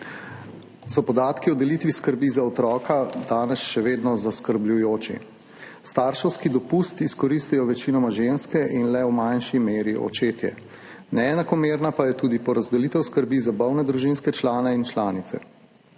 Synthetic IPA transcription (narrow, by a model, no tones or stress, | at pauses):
sɔpɔd̪aːt̪kiɔd̪ɛlit̪ʋiskəɾbizaɔt̪ɾɔːkad̪aːnɛsʃɛʋeːd̪nɔzaskəɾblʲujoːt͡ʃḭ | st̪aːɾʃɛwskid̪ɔpust̪iskɔɾist̪ɛjɔʋɛt͡ʃinɔmaʒenskɛʔinlɛwmanʃimeːɾiʔɔ̰t͡ʃeːt̪jɛ̰ | nɛːnakɔmeːɾnapajɛt̪uːd̪ipɔɾazd̪ɛlit̪ɛwskəɾbizabɔwnɛd̪ɾuʒinskɛt͡ʃlaːnɛint͡ʃlaːnit̪sɛ̰